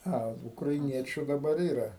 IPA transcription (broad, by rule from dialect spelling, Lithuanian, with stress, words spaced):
ˈɐ ʊkrɐɪˈnʲiɛt͡ʃʲʊ dɐˈbɐr ˈiːrɐ